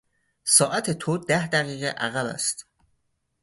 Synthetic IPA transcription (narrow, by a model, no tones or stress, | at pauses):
sɒːʔæt̪ʰet̪ʰod̪æhd̪æɣiːɣḛʔæɣæbæ̰st̪